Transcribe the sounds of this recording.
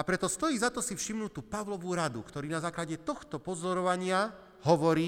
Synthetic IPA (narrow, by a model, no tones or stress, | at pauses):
apɾɛt̪ɔst̪ɔjiːzat̪ɔsifʃimnuːt̪uːpaʋlɔʋuɾad̪ṵkt̪ɔɾiːnazaːklaɟɛt̪ɔxt̪ɔpɔzɔɾɔʋaɲɪa | ɦɔʋɔɾiː